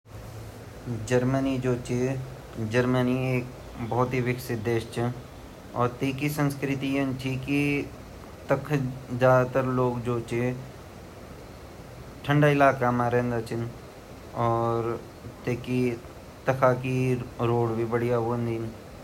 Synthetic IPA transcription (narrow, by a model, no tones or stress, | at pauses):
d͡ʒəɾmənid͡ʒoːt͡ʃi | d͡ʒəɾmənieːk | bɔɦːt̪ɦiʋɪksɪt̪̚d̪eːʃt͡ʃɪn | ɔːɾt̪eːkisə̃nskɾɪt̪ijənt͡ʃʰiki | t̪əkʰzaːd̪t̪əɾloːɡd͡ʒoːt͡ʃi | ʈʰə̃ɳɖaɪlaːkamaːɾẽnd̪at͡ʃɪn | ɔːɾ | t̪eːki | t̪ɐkʰakiɾoːɽbʱibəɽijaʋoːnd̪in